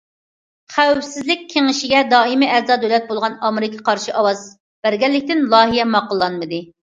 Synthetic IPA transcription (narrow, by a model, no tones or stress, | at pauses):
χæwfsɪzlɪkʲʰːeŋɪʃiɡʲɛd̪ɑːimiæɾzɑd̪ølɛt̪̚bolˠʁɑnɑmɪɾɪkʰɑqʰɑɾʃiʔɑwɑz | b̥æɾɡʲɛlːɪk̚ʲt̪ɪnlˠɑːɦijɛmɑqəlˠːɑnmɨd̪ɨ